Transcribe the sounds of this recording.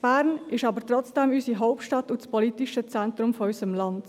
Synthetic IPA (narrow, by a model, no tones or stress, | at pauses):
b̥æːɾnɪʃɑːbəɾtʁɔt͡sd̥ɛmyːsiɦɔʊp̚tʃtɑtuspɔlitiʃət͡sɛntɾʊmfɔysəmlɑnd